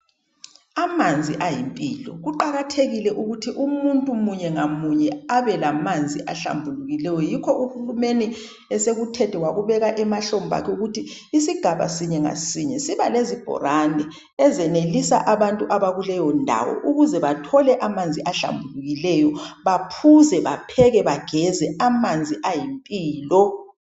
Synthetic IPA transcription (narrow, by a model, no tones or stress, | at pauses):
amand͡zʱiʔajimpʼiːlɔ̰ɣuǃaɣatʰeɣilɛʔuɣutʰiʔumuntʼumuɲɛŋamuɲɛaβɛlamand͡zʱiʔaɬa̰mbʱuluɣilɛjɔjikʰɔʔuhulumeni | ɛseɣutʰɛtʰɛwaɣuβɛɣaʔɛmaɬomba̰kʰɛuɣutʰiːsiɡ̥ʱaβa̰siɲɛŋa̰siɲɛsiβalezib̥ʱɔ̰ɾandʱɛ | ɛzɛnelisa̰ʔaβantʼuʔaβaɣulɛjɔndʱa̰wɔ̰ʔuɣuzɛβatʰɔlɛʔamand͡zʱiʔaɬa̰mbʱuluɣilɛjɔβapʰuzɛβapʰɛɣɛβaɡ̥ʱɛzɛamand͡zʱiʔajimpʼiːlɔ